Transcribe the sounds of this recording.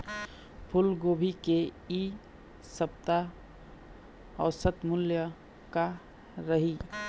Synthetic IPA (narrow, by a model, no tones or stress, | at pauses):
pʰʊlɡobʱikei | səp̚t̪a | ɔːsət̪mʊljə | ka | ɾəɦi